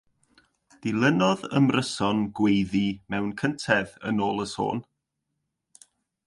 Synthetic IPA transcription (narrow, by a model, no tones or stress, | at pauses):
d̥ɪlˠənɔðəmrʔəsɔnɡwejðimɛwnkʰəntʰɛðə̰noːlˠəso̰ːn